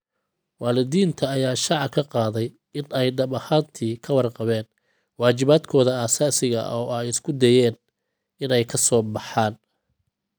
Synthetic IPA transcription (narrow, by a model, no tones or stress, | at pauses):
wɑːlɪd̪iːnt̪ʰɐːjaːʃɑʕɑkʰɐqɑːðɛj | ɪnɛjɖɐβɐhaːnt̪ʰiːkʰɐwɑrqɑβɛːn | wɑːt͡ʃɪβaːd̪kʰɔːðɐaːsaːsɪɣɐ̰ʔɔːɛjɪskʰʊd̪ɛjɛːn | ɪnɛjkʰɐsɔːbɑħɑːn